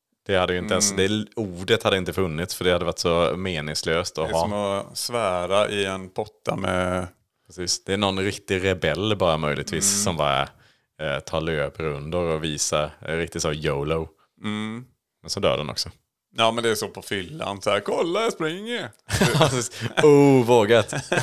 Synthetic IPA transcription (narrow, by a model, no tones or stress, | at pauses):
d̪̥ɛhad̪ːəjɪnt̪ɛɛnsd̪ɛuːɖət̪had̪ːɪnt̪əfɵnːɪt̪sfœɖɛhad̪ːəvaʈːsɔmeːnɪŋsløːst̪ɔhɑmɔsvæːɾaʔɪɛnpʰɔt̪ːa̰mɛ | pɾɛsiːsd̪̥ɛːɳɔnɾɪkt̪ɪɾɛbɛlːbɑːɾamœjlɪɡ̚t̪viːssɔmbɑːɾa̰ | t̪ʰɑːɭøːpɾɵnd̪əɾɔviːsaɾɪk̚t̪ɪt̪sojolo | mɛnsɔmd̪œ̰ːɖɛ̰nʔɔ̰ksɔ | jɑːmɛnd̪ɛæsɔpʰɔfʏlːa̰nsæɾkʰɔlːajaspɾɪŋːə | uːvoːɡat̪